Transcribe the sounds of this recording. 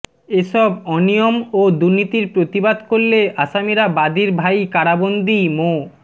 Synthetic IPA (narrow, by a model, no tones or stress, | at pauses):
eʃɔbɔnijomod̪uɾnit̪iɾpɾot̪ibad̪koɾːeaʃamiɾabad̪iɾbʱajkaɽabond̪ʱimo